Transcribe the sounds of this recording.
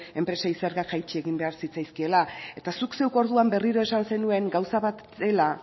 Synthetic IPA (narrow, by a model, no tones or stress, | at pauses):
e̞mpɾe̞saise̞ɾɣakʝajt͡ʃie̞ɣimbe̞aɾsit͡sajskie̞lae̞t̪asukse̞wko̞ɾðuambe̞riɾo̞e̞sanse̞nue̞ŋɡawsaβat̪ | e̞la